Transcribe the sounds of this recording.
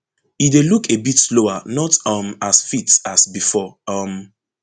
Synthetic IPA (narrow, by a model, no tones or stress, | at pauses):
idelukebitsloanɔtʌmasfitasbifɔʌm